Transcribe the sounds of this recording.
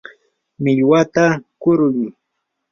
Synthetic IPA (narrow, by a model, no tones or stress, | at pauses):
mɪʎwat̪akʊɾʊj